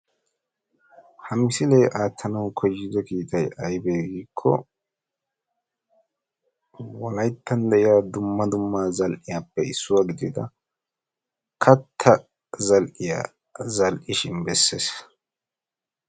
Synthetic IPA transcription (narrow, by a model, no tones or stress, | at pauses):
hɐmɪsɪlejʔaːt̪ʰːɐnɐwkʰɔjːɪd̪ɛkiːt̪ɐjɐjbeːɡiːkʰːɔ̰ | wɔlɐjt̪ːɐnd̪ɛʔɪjaːd̪ʊmːɐd̪ʊmːaːzɐlʔɪjaːpːɛɪsːʊwaːɡɪd̪ɪd̪ɐ | kʰɐt̪ʰːɐ | zɐlʔɪja̰ | zɐlʔɪʃɪnbɛsːeːs